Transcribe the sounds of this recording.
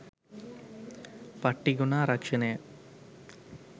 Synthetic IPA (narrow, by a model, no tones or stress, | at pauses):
pɐʈːiɡunaːɾɐkʂɐne